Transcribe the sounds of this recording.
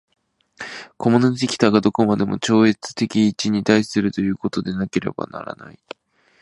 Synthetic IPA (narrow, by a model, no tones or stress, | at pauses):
ko̞monot̪ikʲi̥t̪aɡad̪o̞ko̞mad̪e̞mo̞̰t͡ɕo̞ːet͡sɨ̥t̪e̞kʲiːt͡ɕiɲ̟it̪aisɨɾɯ̟t̪o̞jɯ̟ːko̞t̪o̞d̪e̞nake̞ɾe̞̰ba̰na̰ɾa̰na̰i